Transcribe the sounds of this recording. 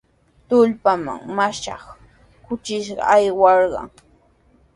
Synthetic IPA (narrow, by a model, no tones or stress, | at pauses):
t̪ʊʎpama̰ŋmaʃɑ̰χ | kʊt͡ʃɪʃɢɑ̰ajwɑɾɢɑ̰ŋ